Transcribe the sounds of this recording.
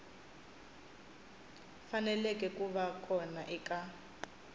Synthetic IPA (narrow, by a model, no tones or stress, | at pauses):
fanɛlɛkʼɛkʼuβakʰʼɔnaʔɛkʼa